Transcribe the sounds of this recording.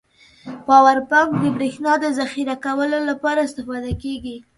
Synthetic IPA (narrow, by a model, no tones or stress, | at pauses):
pɑwaɾpakd̪əbɾexnɑd̪əzaxiɾakawəlolapɑɾaɪst̪ɪfɑd̪akeɡi